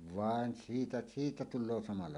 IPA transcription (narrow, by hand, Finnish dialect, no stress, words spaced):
ʋɑˑen siːtæ siːtæ tulˑoː sɑmɑlːɑ